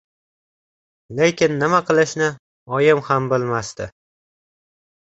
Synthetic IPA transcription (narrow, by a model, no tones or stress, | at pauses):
le̞kʲʰɪnːɪmaqʰɨlˠɪʃnɪ | ɒjɪmhambɪlmast̪ɪ